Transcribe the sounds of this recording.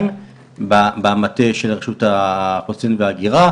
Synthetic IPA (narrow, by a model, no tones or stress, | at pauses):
m | babeamateʃelʁeʃutaχosinveaɡiʁa